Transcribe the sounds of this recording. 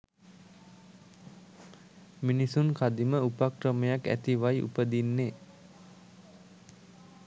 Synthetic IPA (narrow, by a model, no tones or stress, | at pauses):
minisunkʰad̪iməupakrəməjakæ̰t̪iʋajʔṵpəd̪inːeː